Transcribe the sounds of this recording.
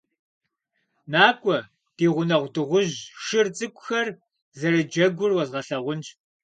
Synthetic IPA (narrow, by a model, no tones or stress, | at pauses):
naːkʷʼɔ | d̥iːʁʷʊnɐʁʷdɨʁʷʊʑʃɨrt͡sʼɨkʷʼʊxɐr | zɐɾɨd͡ʒɐɡʷʊrwɐzʁɐɬɐʁʷʊnt͡ʃʼ